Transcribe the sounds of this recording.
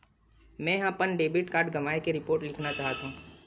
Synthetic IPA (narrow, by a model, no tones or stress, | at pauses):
mɛ̃ːjɦãpənɖeːbɪʈkaːɾɖɡɐʋaːekeɾɪpoːɾʈlɪkʰnat͡ʃaːɦt̪ãː